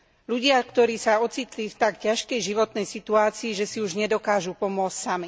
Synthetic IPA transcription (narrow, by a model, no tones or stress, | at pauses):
luɟɪakt̪ɔɾiːsaɔt͡siːt̪lift̪akcaʃkɛjʒiʋɔt̪nɛjsit̪uaːt͡siːʒɛsiuʒɲɛd̪ɔkaːʒupɔmʊɔt͡scʲsami